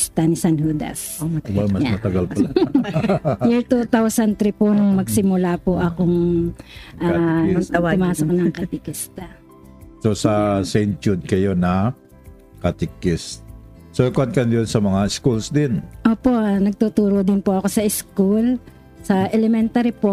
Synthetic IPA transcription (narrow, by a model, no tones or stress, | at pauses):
st̪ɐnɪsɐnhuːd̪ɐ̰s | bamɐmɐt̪ɐɡalpɐ | jɪt̪ut̪awsɐnt̪ɾipoŋŋmɐɡsɪmʊlapoʔɐkoŋ | ʔa | ʊmaːsoknɐŋkɐt̪ɪkɪst̪ɐ | sosɐsɛjnt͡ʃud̪̚kɐjo̞nɐ | kɐt̪ɪkɛst̪ | sokɐnkɐnd̪onsɐmɐŋaɪskulsd̪ɪnʔoːpo̞nɐɡ̚t̪ut̪uːɾod̪ɪnpoʔɐko̞sɐʔɪskul | sɐʔɛlɛmɛnt̪aɾipo